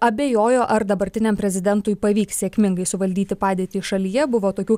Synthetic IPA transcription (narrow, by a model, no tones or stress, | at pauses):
ɐbʲeːjoːjoːʔɐɾd̪ɐbɐɾʲt̪ʲɪnʲɛmpʲɾʲɛzʲɪd̪ʲɛnt̪uːjpɐʋʲiːkssʲeːkʲmʲɪŋɡɐɪsʊʋɐlʲd̪ʲiːt̪ʲɪpɑːd̪ʲeːt̪ʲiːʃɐlʲiːjɛbʊʋoːt̪oːkʲuː